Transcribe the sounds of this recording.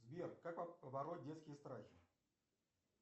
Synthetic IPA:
zbʲerkːak̚ppəbɐɾot̪̚ʲdʲeskʲɪjəst̪ɾaxʲɪ̥

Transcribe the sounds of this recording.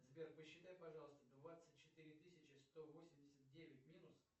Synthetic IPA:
zbʲerkpəɕːɪt̪ajpɐʐɑlˠəst̪əd̪vat̪sɨt̚ʲt͡ɕːɪt̪ɨɾʲɪt̪ɨsʲɪt͡ɕɪst̪ovosʲɪmʲdʲɪsʲət̪t̪̚dʲevʲɪtʲmʲinʊs

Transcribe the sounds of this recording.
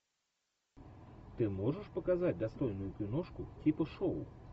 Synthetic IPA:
t̪ɨmɔʐɐʂpɐkazad͡zʲd̪ast̪ɔjnʊjupʲinɔʂkutʲipɐʂɔw̰

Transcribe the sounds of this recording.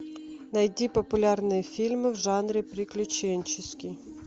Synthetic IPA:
nɐjdʲipɔpʊlʲɑrnɪjfʲilʲmɪwʒɑnɾʲipɾʲɪklʲʊt͡ʃɛnʲt͡ʃɪsʲkʲij

